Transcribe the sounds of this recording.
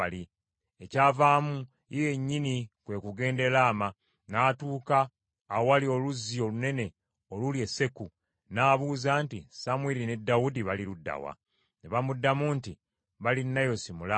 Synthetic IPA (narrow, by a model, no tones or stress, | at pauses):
ali | ecaːvaːmu | ije̞ɲːinikwe̞ːkuɡe̞ːnde̞laːma | naːtuːkaː | walio̞luzːio̞lune̞ne̞ | olulje̞se̞ku | naːβuːzaːntisamweline̞dːawudiβaliɾudːa̰wa̰ | neβamudːamuːnti | βalinːajo̞simula